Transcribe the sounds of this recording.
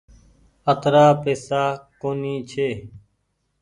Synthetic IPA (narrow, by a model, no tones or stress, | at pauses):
ət̪ɾaːpeːsaːkoːniːt͡ʃʰeː